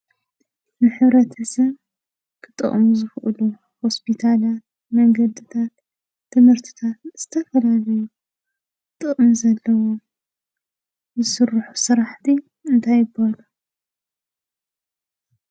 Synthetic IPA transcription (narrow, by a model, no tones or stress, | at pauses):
nɨħɨβɾɐt̪ʰɐsɐβ | kʰɨt̪ʼːɨ̰χʼmuzɨxʔɨ̰lu | ho̞spʰit̪ʰalat̪̚ | mɐŋɡɐd̪ɨt̪ʰat̪ʰː | ɨmhɨɾt̪ʰi̥t̪ʰat̪z̥ɨt̪ʰɐfɐlalɐju | k | t̪ʼɨχʼɨmzɐlːɐwo | zɨsɨrħusɨɾaħt̪ʰi | ɨnt̪ʰajɪbalu